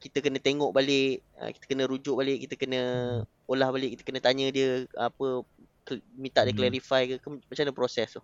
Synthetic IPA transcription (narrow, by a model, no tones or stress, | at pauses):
kit̪əkənə̃t̪eŋɔʔbalɪʔə̰kit̪ə̥kənə̃ɾud͡ʒʊʔ̚balɪʔkit̪əkənə̃ | olahbalɪʔ̚kit̪ə̥kənə̃t̪aɲə̃diəapə | kmĩnt̪aʔdiəklɛɾifajkəkmat͡ʃamndəpɾosɛst̪uh